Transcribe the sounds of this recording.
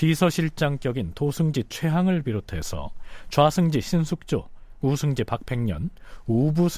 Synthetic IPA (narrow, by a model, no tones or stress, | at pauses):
tisʰʌɕʰiɭt͡ɕ͈aŋk͈jʌɡintosʰɯŋd͡ʑit͡ɕʰwe̞ɦaŋɯɭpiɾotʰe̞̰sʰʌ̰t͡ɕwasʰɯŋd͡ʑiɕʰinsʰuk̚t͡ɕ͈o̰usʰɯŋd͡ʑipak̚pʰe̞ŋɲʌ̰nubusʰ